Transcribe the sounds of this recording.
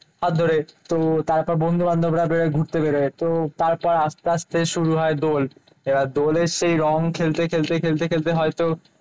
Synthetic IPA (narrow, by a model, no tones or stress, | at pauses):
ɦat̪̚d̪ʱoɾet̪ot̪aɾpɔɾbond̪ʱuband̪ʱobɾabeɾoɡʱuɾt̪ebeɾet̪ot̪aɾpɔɾast̪east̪eʃuɾuɦɔed̪ol | ebaɾd̪oleɾʃejɾɔŋkʰelt̪ekʰelt̪ekʰelt̪ekʰelt̪eɦɔet̪o